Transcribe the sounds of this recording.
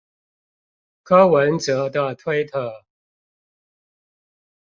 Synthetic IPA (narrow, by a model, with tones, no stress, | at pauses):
kʰɤ˥wə˧˦nt͡sɤ˧˥d̪ə˧t̪ʰwe˥ɪt̪ʰə˨˩˦